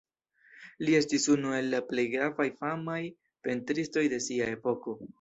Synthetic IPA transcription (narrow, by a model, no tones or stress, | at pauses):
lie̞stisunue̞lːaple̞jɡɾavajfamaj | pe̞ntɾisto̞jde̞siae̞po̞ko̞